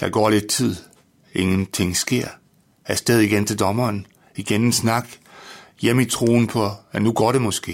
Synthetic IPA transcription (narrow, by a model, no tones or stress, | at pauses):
d̥ɑ̈ɡ̥ɒ̰ːle̝d̥̚t͡sʰið̰ˠ | e̝ŋən̩t͡sʰe̝ŋ̰sɡ̥e̝ɐ̰ | æɐsd̥eð̞ˠiɡ̥ent͡sʰe̝ld̥ɒ̽mɐːn | iɡ̥enensnɑ̈ɡ̥jem̰it͡sʰʁo̝̰ːn̩pʰɒ̽ænuɡ̥ɒ̰ːɾ̥e̝mɔ̽sɡ̥e̝̰ː